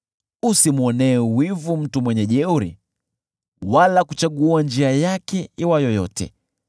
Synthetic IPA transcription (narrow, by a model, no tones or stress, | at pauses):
usimuɔnɛwivum̩tumwɛɲɛʄɛuɾḭ | walakut͡ʃaɠuand͡ʒiajakɛiwajɔjɔtɛ̰